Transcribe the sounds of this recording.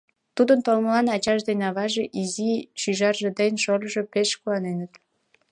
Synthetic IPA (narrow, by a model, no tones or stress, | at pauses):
t̪ud̪ənt̪olməlɑnɑt͡ɕɑʃd̪enʲɑβɑʒeʔizit͡ɕyʒɑrʒed̪ənʲʃoləʒe̽peʃkuɑnenət̪